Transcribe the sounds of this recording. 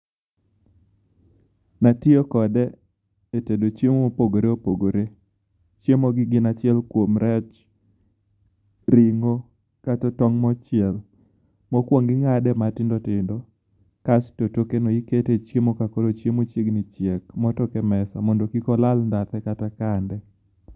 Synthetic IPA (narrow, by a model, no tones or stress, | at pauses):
natɪokɔdɛː | tedot͡ʃemopoɡoɾeopoɡoɾe | t͡ʃjemoɡɪɡɪnat͡ʃɪɛlkwomɾɛt͡ʃ | ɾɪŋo | katɔtɔŋmɔt͡ʃɪɛl | mɔkwoŋɡɪŋadɛmatɪndɔtɪndɔ | kastotokenoiketet͡ʃemokakoɾot͡ʃjemot͡ʃeɡnɪt͡ʃjekmɔtɔkɛmɛsa̰mɔndokikɔlalndat̪ɛkatakandɛ